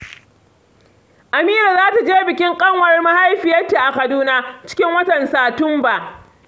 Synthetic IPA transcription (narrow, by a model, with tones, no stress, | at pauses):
ʔa˨miː˦ɾaː˨zaː˦ta˨d͡ʒeː˦bɪ˨kʲɪ˦ŋkʼɐ˦ŋwɐ˨rma˦ha˦jɸɪ˨jɐ˦rta˨ʔa˨kɐ˨duː˦naː˦t͡ʃɪ̥˦kʲɪ˦ŋwɐ˦tɐ˨nsaː˨tʊ˦mba˨ʔ